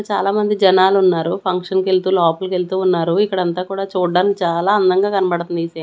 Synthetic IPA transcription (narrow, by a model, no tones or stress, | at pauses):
t͡ʃaːlaːmɐnd̪id͡ʒɐnaːlunːaːɾupʰɐŋkʂɐnke̞lt̪uːlɔːpɐlke̞lt̪uːnːaːɾuikːɐɽɐnt̪aːkuːɽaːt͡ʃuːɖːaːnit͡ʃaːlaːɐnd̪ɐŋɡaːkɐnɐbɐɽt̪und̪ise